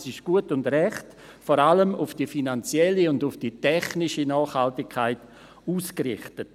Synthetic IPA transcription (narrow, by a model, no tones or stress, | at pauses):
sɪʃɡ̥uətʊndrɛχt | fɔɾaləmʊfd̥ifinant͡sjɛliʊndʊfd̥itɛχnɪʃənɑːχhaltɪkʰːaɪt | uːskrɪ̰χtət